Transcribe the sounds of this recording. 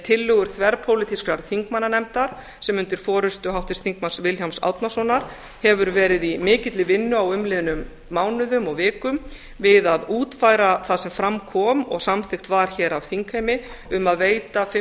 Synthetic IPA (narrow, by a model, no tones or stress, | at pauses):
t̪ʰɪlːʏɣʏɾ̥θvɛɾpʰowlɪt̪ʰiskɾaɾ̥θiŋkmanːanɛmt̪aɾ̥ | sɛmʏnt̪ɪɾ̥fɔːɾʏst̪ʏɦawht̪ɪst̪θiŋk̚mansvɪlçawmsa̰wt̪nasɔnaɾ̥ | hɛvʏɾvɛːɾɪðimɪːcɪt̪lɪvɪnːʏawʏmlɪðɪnʏmː | awnʏðʏmɔɣvɪːkʏm | vɪðaðuːt̪faːjɾaθaðsɛmfɾamkʰɔːmɔ̰ɣsamθɪxt̪vaɾ̥çɛːɾavθiŋkhejmɪʏmaðveːjt̪af